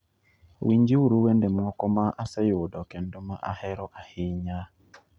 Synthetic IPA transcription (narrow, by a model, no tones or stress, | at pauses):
wiɲd͡ʒiuɾuwendɛmɔkɔmaʔasɛjodɔkɛndomaʔahɛɾɔʔahɪɲa